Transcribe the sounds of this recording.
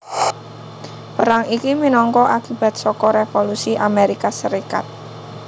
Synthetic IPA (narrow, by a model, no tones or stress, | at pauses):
pəɾaŋikiminɔŋkɔʔakib̥a̤t̪̚sɔkɔɾefolusiʔameɾikasəɾika̰t̪̚